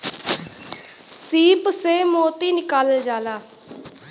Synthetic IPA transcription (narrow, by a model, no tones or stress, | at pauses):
siːpseːmoːt̪iːnɪkald͡ʒaːlaː